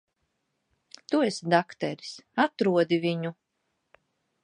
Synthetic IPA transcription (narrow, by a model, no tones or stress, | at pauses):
t̪uesd̪akt̪ɛɾi̥sat̪ɾuɔd̪iviɲu